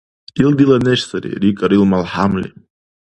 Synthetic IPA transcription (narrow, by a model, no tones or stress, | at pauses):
ild̪ilaneʃsəɾḭɾikʼaɾilmalħamlḭ